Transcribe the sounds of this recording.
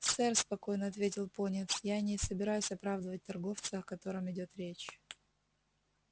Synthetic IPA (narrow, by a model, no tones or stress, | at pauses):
t̪sɛrspɐko̞jnəɐt̪vʲetʲɪlˠponʲɪt̪sjanʲɪsəbʲɪɾajʉsʲɐpɾavd̪əvət̚ʲt̪ɐrɡo̞ft̪sɨɐkɐt̪o̞ɾɨmɪdʲo̞t̪ɾʲet͡ɕ